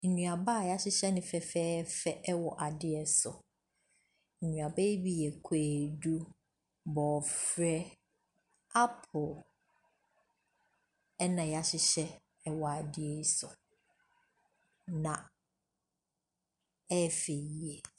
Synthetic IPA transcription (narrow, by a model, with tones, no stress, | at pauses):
ɲũ˨a˨ba˦˨ja˦ɕɪ˦ɕɛ˦nɪ̃˨fɛ˨fɛː˦ɛ˦fɛ˦ʔɛ˦wɔ˨ʔa˨dɪ˦ɛ˨sʊ̰˨ | ɲũ˨a˨ba˦bi˦jɛ˨kʷʰeː˨du˦ | bɔː˨fɾɛ˦ | a˦pʰʊ˨ | ɛ˦nã˨ja˦ɕɪ˦ɕɛ˦ | ɛ˦wɔ˨a˨dɪ˦ɛ˨˦sʊ˨ | nã˨ | ɛ˦˨fe˨ji˨ɛ˨